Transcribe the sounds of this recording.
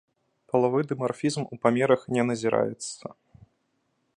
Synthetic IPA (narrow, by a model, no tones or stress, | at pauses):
pɐlˠavɔjd̪ɨmarfʲizmupamʲɛɾɐxnʲɛnɐzʲiɾa̰jɛ̰t̪sɐ